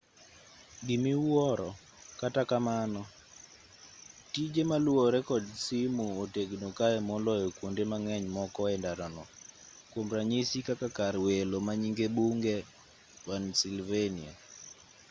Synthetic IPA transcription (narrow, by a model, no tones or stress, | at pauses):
ɡimiwɔɾɔ | katakamanɔ | tid͡ʒemaluɔɾɛkɔdsimuoteɡnokaɛmɔlɔekwondemaŋɛɲmɔkɔɛndaɾɔnɔ | kwomɾaɲisikakakaɾwelomaɲiŋɡebuŋɡɛ | wansilvenia̰